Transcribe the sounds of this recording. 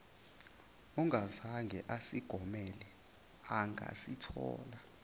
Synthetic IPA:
ɔŋʱazaŋɡʱɛʔasiɡ̥ʱɔmɛlɛ | aŋɡʱa̰sitʰɔ̰ːla

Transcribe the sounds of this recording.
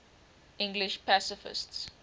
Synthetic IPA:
ʔɪ̃ŋɡlɪʃpæsɪfɪ̰sts

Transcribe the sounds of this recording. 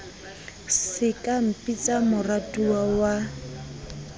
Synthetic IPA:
sɪkʼam̩pʼit͡sʼamʊratʼuawa

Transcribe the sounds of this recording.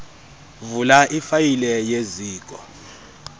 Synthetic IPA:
vulaʔifajilɛjeziːkʼɔ

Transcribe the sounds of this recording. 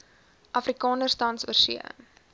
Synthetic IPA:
ʔɐfrikɑːnərstɐntsṵərsḭə̰

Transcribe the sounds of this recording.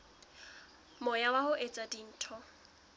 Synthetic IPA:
mɔjawahʊʔet͡sʼadin̩ːtʰɔ

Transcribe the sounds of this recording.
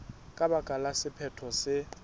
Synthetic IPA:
kʼaɓaɡ̥ʼʱalasɪpʰɛtʰɔsɪ

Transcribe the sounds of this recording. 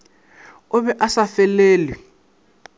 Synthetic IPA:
ʊβɛʔasafɛleːli

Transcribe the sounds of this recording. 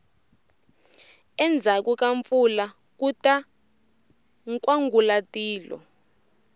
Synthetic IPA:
ɛnd͡zʱak̬uk̬ʼaɱfula | k̬uta | ŋkʼwaŋɡulatʼiːlɔ̰

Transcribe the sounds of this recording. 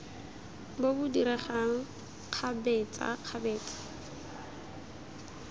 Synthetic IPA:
bobʊdiɾɛχaŋ̩ | q͡χʰabɛːt͡sʼa̰q͡χʰabɛːt͡sʼḁ

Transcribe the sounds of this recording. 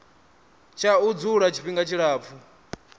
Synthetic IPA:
t͡ʃʰaud͡zuɺat͡ʃʰi̥ɸiŋɡat͡ʃʰiɺaːp̪fʰu

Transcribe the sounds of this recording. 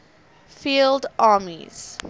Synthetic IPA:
fiːldʔɑːmḭz̥

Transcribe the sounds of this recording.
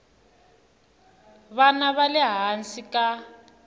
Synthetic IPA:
βanaβalɛɦansika

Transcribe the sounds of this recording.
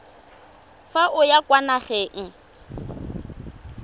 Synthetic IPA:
faʔʊjakwanaχeŋ̩

